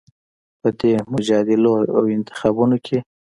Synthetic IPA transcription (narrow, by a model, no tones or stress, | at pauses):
pəd̪emʊd͡ʒɑd̪ɪloa̰wɪnt̪ɪ̥xɑbunokʰe